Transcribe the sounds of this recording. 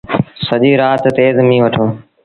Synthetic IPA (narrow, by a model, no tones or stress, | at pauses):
səʄiːɾaːt̪t̪eːzmĩːʋəʈʰõː